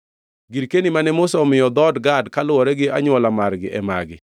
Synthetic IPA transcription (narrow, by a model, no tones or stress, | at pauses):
ɡiɾkenimanɛmʊsɔmɪjɔd̪ɔdɡadkalʊwɔɾɛɡɪʔa̰ɲʊwɔlamaɾɡɪ̰ʔɛma̰ɡɪ